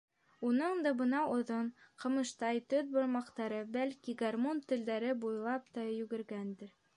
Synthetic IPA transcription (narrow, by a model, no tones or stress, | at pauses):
unɤɴd̪ɑbɤ̆nɑʔŏðɤɴqɤ̆mɤ̆ʃt̪ɑjt̪ɵð̚bŏɾmɑqt̪ɑɾɤbælkiɡarmont̪ɵ̆ld̪æɾɘbujlˠɑp̚t̪ɑjʉ̆ɡɘ̆ɾɡænd̪ɘɾ